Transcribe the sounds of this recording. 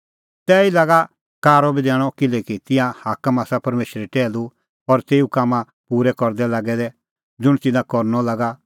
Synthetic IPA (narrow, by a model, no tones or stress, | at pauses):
t̪ɛːilaːɡa | kaːɾɔbid̪ɛːɽ̃ɔkɪlɛkit̪ɪ̃jãhaːkəmaːsapɐɾmeːʃəɾɛʈɛːlu | ɔɾt̪eːukamã | puːɾɛkɔɾd̪ɛlaːɡɛd̪ɛ | d͡zʊɽ̃t̪ɪnãkɔɾnɔlaːɡa